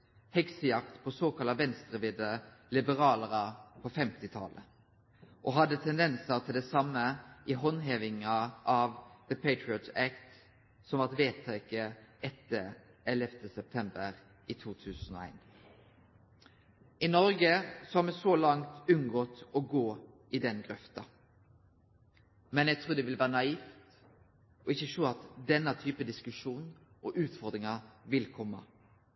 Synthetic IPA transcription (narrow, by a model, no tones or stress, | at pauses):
hɛksəjɑkt̪pʰɔsoːkɑlɑʋɛnst̪ʁəʋɪd̪əlɪbəʁɑːləʁəpʰɔfɛmt̪ɪt̪ʰɑ̰lə | ʔɔɦɑd̪ət̪ʰɛnd̪ɛnsəʁt̪ʰɪld̪ɛsɑmːəʔɪɦɔnɦeːʋɪŋɑʔɑʋðəpʰeɪt̪ɹɪɔt̪ækt̪ | sɔmʋɑʁt̪ʋeːt̪ʰekəʔɛt̪ːə | ɛlɛft̪əsɛp̚t̪ʰɛmbəʁ | it̪ʰuːt̪ʰʉːsn̩ɔ̰æ̰ɪn | ɪnɔɾɡəsɔhɑɾmɛsɔlɑŋt̪ʉnɡɔt̪ɔɡoː | ɪd̪ɛnɡɾœft̪ɑ | mɛnæɡt̪ʰɾuːɾd̪ɛʋɪlʋæːʁənɑiːft̪ | ɔɪçːəʃuːɑt̪d̪ɛnːət̪ʰyːpəd̪ɪskʉʂuːn | ʔɔʔʉːt̪fɔɾd̪ɾɪŋɑʋɪlkʰɔmːə̰